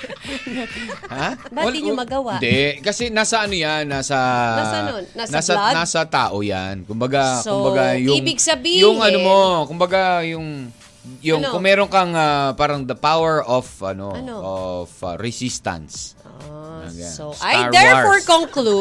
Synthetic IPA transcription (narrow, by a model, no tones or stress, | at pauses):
habaɐlɲʊmɐɡɐwand̪ɛkɐsɛnaːsɐʔɐnojanːaːsɐ | anasɐnaːsɐt̪a̰ːʔoja̰nkʊmbɐɡaʊmbɐɡajʊŋbɪɡsɐbijʊŋɐnomokʊmbɐɡajʊŋ | jʊŋkʊŋmɛːɾonkɐŋapaːɾɐŋd̪ɐpawɛɹʔofɐnonoofa̰ɾɛsist̪ɐ̰ns | ɐ̰ja̰saaɹd̪ɛfɔɹkoŋklu